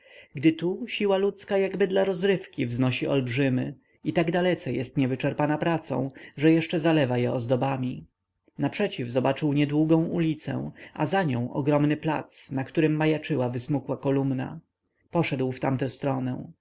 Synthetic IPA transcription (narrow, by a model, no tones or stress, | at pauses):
ɡd̪ɘt̪uɕiwalut̪skajaɡbɘd̪laɾɔzɾɘfkʲivznɔɕiʔɔlbʐɘmɘ | it̪aɡd̪alɛt̪sɛjɛst̪ɲɛvɘt͡ʂɛɾpanapɾat̪sɔ̰̃w̃ʐɛjɛʂt͡ʂɛzalɛvajɛɔzd̪ɔbamʲi | napʂɛt͡ɕivzɔbat͡ʂɘwɲɛd̪wuɡɔ̃w̃ulʲit̪sɛ̰̃w̃a̰zaɲɔ̃w̃ʔɔ̰ɡɾɔmnɘpla̰t̪snakt̪uɾɘmːajat͡ʂɘwavɘsmukwakɔlumna̰ | pɔʂɛd̪wft̪amt̪ɛ̃st̪ɾɔnɛw̃